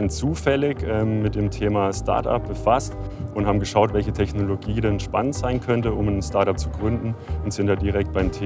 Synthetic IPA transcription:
nt͡suːfɛlɪçʔɛːmːɪt̚d̥eːmtʰeːmastʰa̰ɐta̰p̚b̥əfastʔʊnthaːbm̩ɡəʃaʊtvɛlçətʰɛçnoloɡiːdɛɛnʃpanəntz̥aɪnkʰœntəʊmnstaɐtap̚t͡suɡʁʏndn̩ʊntz̥ɪntdaːdiʁ̞ɛk̚t̚b̥aɪmtʰː

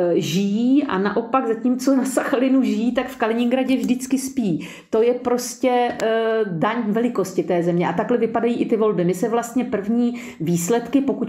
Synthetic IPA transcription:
ʒɪjiːʔa̰na̰ʔo̞paɡzaciːmt͡so̞nasaxalɪnuʒɪjiːt̪akfkalɪɲɪŋɡɾaɟɛvʒdɪt͡skɪspiː | t̪o̞jɛpɾo̞scɛ | daɲvɛlɪko̞scɪt̪ɛːzɛmɲɛʔat̪aklɛvɪpadajiːʔɪt̪ɪvo̞lbɪmɪsɛvlast̪ɲɛpr̩vɲiː | viːslɛt̪kɪpo̞kuc

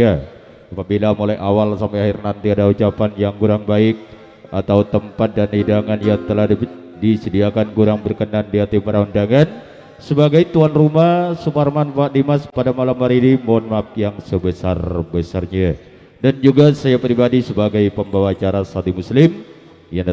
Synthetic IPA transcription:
ja | apabilamolaʔawalsampɛahɪrnant̪iadaut͡ʃapanjaŋkuɾaŋbaɪk̚ | at̪awt̪əmpat̪̚danhidaŋanjaŋt̪əlah | disədiakankuɾaŋbərkənandiɦat̪ipəɾaundaŋan | səbaɡajt̪uanrumahsuparmanpaʔdimaspadamalamːaɾinimɔnmak̚jaŋsəbəsa̰rbəsarɲa | dand͡ʒuɡasajapɾibadisəbaɡajpəmbawat͡ʃaɾasat̪imuslɪm | jaŋ

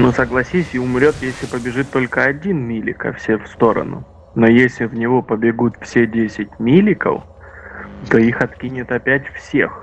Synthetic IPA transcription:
nusəɡlˠɐsʲisʲɪʊmɾʲo̞t̪jesʲlʲɪpəbʲɪʐɨt̪ːo̞lʲkəɐdʲinmʲilʲɪ̰kə̰fsʲefst̪o̞ɾə̰nʊ̰ | no̞jesʲlʲɪvnʲɪvo̞pəbʲɪɡut̪fsʲedʲesʲɪt̚ʲmʲilʲɪkə̰f | t̪o̞ixɐt̪kʲinʲɪt̪ɐpʲætʲfsʲe̞̰x

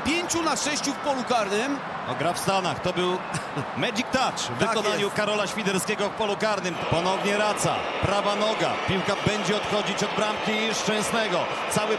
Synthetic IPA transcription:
pʲjeɲt͡ɕunaʂɛɕt͡ɕufpɔlukaɾnɘm | ɔɡɾafst̪anaxt̪ɔbɘw | mɛd͡ʑik̚t̪at͡ʂvɨkɔnaɲukaɾɔlaɕfʲid̪ɛɾskʲɛɡɔfpɔlukaɾnɘmpɔnɔvɲɛɾat̪sa̰ | pɾavanɔɡa̰pʲiwkabɛɲd͡ʑɛɔt̪xɔd͡ʑit͡ɕɔd̪bɾampkʲiʂt͡ʂɛ̃w̃snɛɡɔ | t̪sawɘ

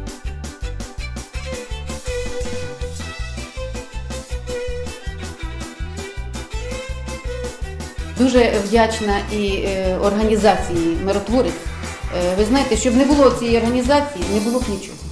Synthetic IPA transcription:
d̪uʒɛʋdʲat͡ʃnɐiɔrɦɐnʲizɑt͡sʲijimeɾɔt̪ʋɔɾɪt͡sʲʋɪznɑjet̪ɛʃt͡ʃɔbnɛbʊlˠɔt͡sʲijɛjɔrɦɐnʲizɑt͡sʲijinɛbʊlˠɔknʲit͡ʃɔ̰ɦʊ

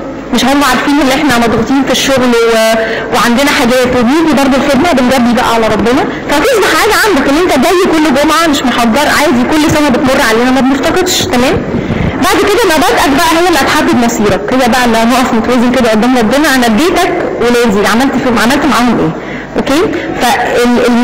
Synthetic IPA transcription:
meʃæɑɾmæʕaɾˤfiːnʔenːʔeħnæmɑd̪ɣut̪ˤiːnfiʃːoɣlweweʕand̪enæħaɡæːt̪ːebiːb̪ibɑɾˤd̪ˤolfed̪mæbenɡæb̪ːiːbæʔæ̰ʕalæɾˤɑbːenɑ | fææt̪esmɑħħaːɡæʕand̪ækʔenːʔent̪æɡ̪æjːekolːɡomʕameʃmeħɑd̪ːɑɾˤʕaːjzkolːsænæbet̪morˤːʕaleːnæmæbneft̪ɑqed̪ʃkæmæːm | baʕd̪ked̪æmæbɑˤd̪ʔæd̪bæʔæhæjːælːʔæt̪ħad̪ːed̪mɑsˤiːɾɑkhejːæbæʔælːænoʔɑfmot̪æwæːzemked̪æʔond̪æmɾˤɑbːenɑʔænæb̪eːt̪ækwelæːziʕamælt̪fimʕamælt̪maʕaːhomʔeː | ʔokeː | fæee

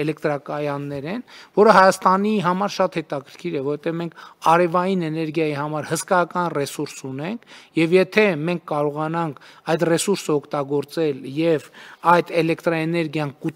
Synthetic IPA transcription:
ɛlɛkt̪ɾɑkɑjɑnːɛɾɛnvɔɾəɦɑjɑst̪ɑniɦɑmɑɾʃɑt̪hɛt̪ɑkʰəɾkʰiɾɛvɔɔvɛt̪ɛvmɛŋkʰɑɾɛvɑjinɛnɛɾɡjɑjihɑmɑɾhəskɑjɑkɑnrɛsuɾsunɛŋkʰjɛvjɛt̪ʰɛmɛŋkʰːɑɾɔʁɑnɑŋkʰɑjd̪rɛsuɾsəɔkʰt̪ɑɡɔɾt͡sɛljɛvɑjd̪ɛlɛkt̪ɾɑɛnɛɾɡjɑnku

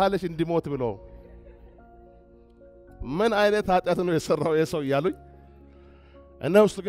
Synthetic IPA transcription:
halːəʃɨnd̪imo̞t̪bɨlo̰w | mɨnajnət̪at̪ʼjat̪ɨnːəwjɛsərːawjɛsəwɪjːaluɲ | ʔɨ̰nːəwʊst̪ʼɡ

